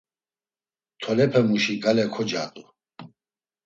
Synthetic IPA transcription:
t̪ʰɔlɛpʰɛmuʃiɡalɛkʰɔd͡ʒaːt̪ʼu

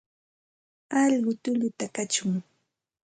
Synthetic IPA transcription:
ɑʎɢʊt̪ʊʎʊt̪akat͡ʃʊŋ

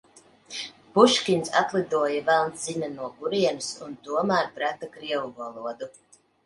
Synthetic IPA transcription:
b̥uʃkʲinsa̰t̪lˠid̪uɔjavælˠnt̪zinanuɔɡuɾiɛnusunt̪uɔmæːɾpɾæt̪akɾiɛvuvalˠuɔd̪u

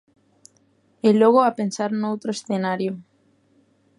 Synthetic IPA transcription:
eloɣ̞oapensaɾnowt̪ɾoesθenaɾjo

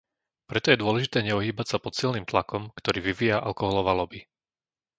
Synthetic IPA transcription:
pɾɛt̪ɔjɛd̪ʊɔlɛʒit̪ɛːɲɛuɦiːbacsapɔt̪silniːmt̪lakɔmkt̪ɔɾiːʋiʋijaʔa̰lkɔɦɔlɔʋalɔbi

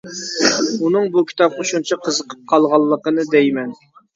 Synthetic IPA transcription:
unɨŋbukʲʰi̥t̪ʰɑp̚qʰoʃunt͡ʃʰɑqʰəzəqʰə̥p̚qʰɑlˠʁɑlˠːəqənɨd̪ɛjmɛn

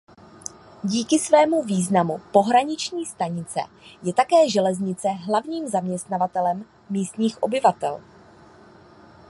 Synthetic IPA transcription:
ɟiːkɪsvɛːmuviːznamupo̞ɦɾaɲɪt͡ʃɲiːst̪aɲɪt͡sɛ̰ | jɛt̪akɛːʒɛlɛzɲɪt͡sɛɦlavɲiːmzamɲɛst̪navat̪ɛlɛmː | iːst̪ɲiːxʔo̞bɪvat̪ɛ̰l

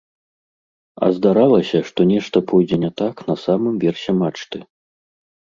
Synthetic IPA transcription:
ɐ̰zd̪aɾalˠɐsʲɐʂt̪ɔnʲɛʂt̪ɐpʰɔjd͡zʲɛnʲɛt̪aknɐsamɨmvʲɛrsʲɛmat͡ʂt̪ɨ

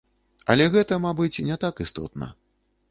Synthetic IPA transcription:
ɐ̰lʲɛɣɛt̪ɐmabɨt͡sʲnʲɛt̪akɨst̪ɔ̰t̪nɐ̰

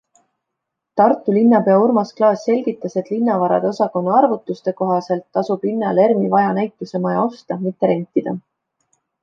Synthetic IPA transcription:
t̪ɑrt̪ːˑulinːɑpe̞ɑuɾmɑsklɑːsːe̞lʲɡ̥it̪ːˑɑset̪linːɑvɑɾɑ̰d̪eosɑko̞nːɑɑrvut̪ːˑust̪e̞ko̞ɦɑse̞lt̪ːɑsub̥linːɑle̞rmivɑjɑnæjt̪ːˑuse̞mɑjɑo̞st̪ɑmit̪ːe̞ɾe̞nʲt̪ːˑid̪̥ɑ

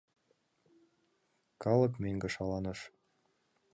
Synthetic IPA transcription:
kɑlɤ̆kmeŋɡə̆ʃɑlɑnə̆ʃ

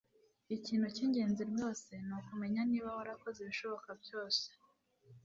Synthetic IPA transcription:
iciːnhuciːɲɟe̞ːnziɾjo̞ːse̞nukume̞ɲaniːβawaɾako̞zeβiʃo̞βo̞kabjo̞ːse̥

